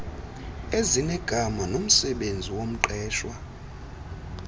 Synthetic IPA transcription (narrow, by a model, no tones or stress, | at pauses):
ezinɛɡ̥ʱamanom̩sɛɓend͡zʱiwom̩ǃɛːʃwa